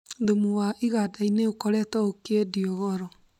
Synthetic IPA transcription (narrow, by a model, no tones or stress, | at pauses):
ðomuwaʔiɣadaineokɔɾɛtɔokediɔɣɔɾɔ